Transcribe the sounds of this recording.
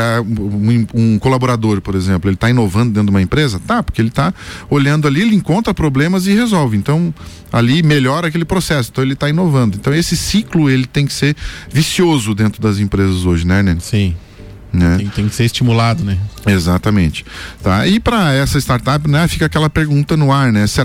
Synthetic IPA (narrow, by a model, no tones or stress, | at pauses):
ɛ̃ũũkolaboɾad̪oɾpoɾezẽmplʊelɪt̪aĩnovɐ̃nd̪ʊd̪ẽumɐẽpɾezɐt̪apoɾkeelɪt̪aoʎɐ̃nd̪ʊalielɪẽŋkõnt̪ɾɐpɾoblẽmɐzɪhezɔwvɪẽnt̪ɐ̃w̃ | a̰limeʎɔɾɐakelɪpɾosɛsʊẽt̪ɐ̃w̃elɪt̪aĩnovɐ̃nd̪ʊẽnt̪ɐ̃w̃esɪsiklʊelɪt̪ẽj̃kɪ̥seɾvisiozʊd̪ẽnt̪ɾʊd̪ɐzẽmpɾezɐzoʒɪnɛnɛsĩ | nɛ̃t̪ẽj̃kɪ̥seɾɪst͡ʃimulad̪ʊnɛezat̪ɐmẽnt͡ʃɪ̥t̪aɪpɾɐɛsɐɪst̪aɾt̪apɪnɛfikɐakɛlɐpeɾɡũnt̪ɐnʊaɾnɛseɾ